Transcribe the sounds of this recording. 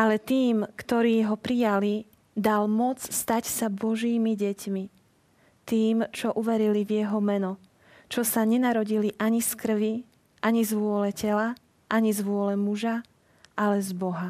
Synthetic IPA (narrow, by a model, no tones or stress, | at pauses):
ʔalɛt̪iːmkt̪ɔɾiːɦɔpɾijali | d̪almɔt͡sst̪acsabɔʒiːmiɟɛcmi | t̪iːmt͡ʃɔʔuʋɛɾilivjɛɦɔmɛnɔ | t͡ʃɔsaɲɛnaɾɔɟiliʔaɲiskr̩ʋi | ʔaɲizʋʊɔlɛcɛla | ʔaɲizʋʊɔlɛmuʒa | ʔalɛzbɔɦa